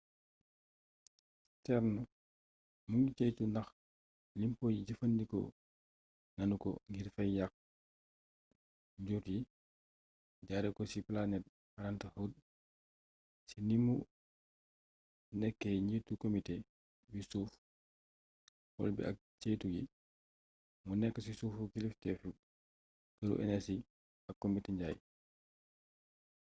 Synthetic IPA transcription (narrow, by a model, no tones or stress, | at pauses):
tɛɾnɔ | muŋɡit͡ʃɛjtunɐx | limpɔːjiɟɐfɐndikɔ̰ | nɐnukɔ̰ŋɡiɾfɐjjak̚ | ɟuɾji | ɟaɾɛkɔsiplanɛt̚ | aɾantɐhɐwd̚ | sinimu | nɛkːɛɲitːukomite | bisuːf | wɔ̰lbḭʔɐ̰k̚t͡ʃeːtuji | munɛkːəsisuːfukiliftɛfu | kɐɾṵʔɛ̰nɛsi | ɐkːomiteɲɟaːj